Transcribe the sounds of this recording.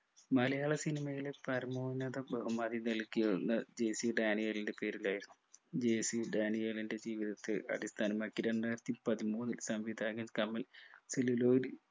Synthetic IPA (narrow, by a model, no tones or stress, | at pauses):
mɐlɐjaːɭɐsinimɐjilpɐɾɐmoːnːɐðɐbɐumɐðinɐlkːijɐunːɐd͡ʑeːsiɖaːnijeːlinde̞pe̞ːɾilaːjiɾunːuud͡ʑeːsiɖaːnijeːlinde̞d͡ʑiːʋiðɐt̪ːɨʔɐ̰ɽist̪ʰaːnɐmaːkːiɾeɳɖaːjɾɐt̪ːipɐðimuːnːilsɐmʋid̪aːɡɐkɐmːɐlseluloːɾi